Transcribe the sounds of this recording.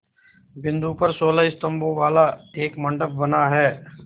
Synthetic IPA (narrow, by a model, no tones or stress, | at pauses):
bɪ̃nd̪upɐɾsoːlaɪst̪ə̃mboʋaːlaeːkmɐ̃ɳɖəb̚bɐnaɦɛː